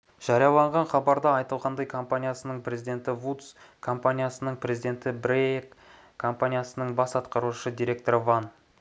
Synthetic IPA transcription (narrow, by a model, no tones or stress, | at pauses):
ʒ̥ɑɾijɑlˠɑɴʁɑnχɑbɑɾd̪ɑːjt̪əlˠʁɑnd̪ɑjkʰo̞mpanʲijasənəɴpʰɾe̞zid̪e̞nt̪ɪvut̪skʰo̞mpanʲijasənəɴprʲe̞zijd̪ʲe̞nt̪ɪbɾekʰː | o̞mpanʲijasənəɴbɑsɑt̪qɑɾuʃəd̪ijɾʲe̞k̚t̪oɾvan